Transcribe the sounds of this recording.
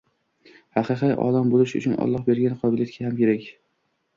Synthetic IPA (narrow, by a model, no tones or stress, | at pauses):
hɑqɨqɨjʔɒ̰lambolɪʃʊ̰t͡ʃʰʊnɒ̰lˠːɒhbe̞ɾɡʲanɪqʰɒbɪlijat̪kʲʰahamkʲe̞ɾakʲ